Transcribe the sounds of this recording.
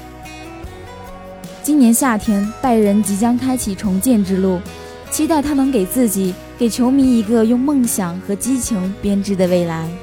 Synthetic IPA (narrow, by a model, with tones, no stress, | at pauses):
t͡ɕi˥njɛ˧˥nɕja˥˩t̪ʰjɛ˥npa˥˩ɪɻə˧˥nt͡ɕi˧˥t͡ɕjɑ˥ŋkʰa˥ɪt͡ɕʰi˨˩ʈ͡ʂʰʊ˧˥ŋt͡ɕjɛ˥˧nʈ͡ʂɻ̩˥lu˥˩ | t͡ɕʰi˥t̪a˥˩ɪt̪ʰa˥mə˧nke˨˩ɪt͡sɹ̩˥˩t͡ɕi˨˩˦ | ke˨˩ɪt͡ɕʰjo˧˥ʊmi˧˥i˧˥ɡə˧jʊ˥˧ŋmɤ˥˩ŋɕjɑ˨˩ŋxɤ˧˥t͡ɕi˥t͡ɕʰɤ˧˥ŋpjɛ˥nʈ͡ʂɻ̩˥˩d̪ə˨˧we˥˩ɪla˧˥ɪ